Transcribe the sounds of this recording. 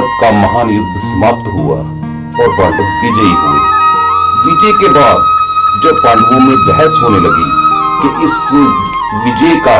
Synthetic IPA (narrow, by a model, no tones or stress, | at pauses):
tkaməɦaːnɪd̪ʱsəmaːp̚t̪ɦua̰ | ɔːɾbaːʈəkbɪd͡ʒəiɦuḛ | ʋɪd͡ʒəjkebaːd̪d͡ʒəbpaːlʋõmẽbɛɦəsɦoːneləɡḭ | kiʔɪs | ʋɪd͡ʒəjka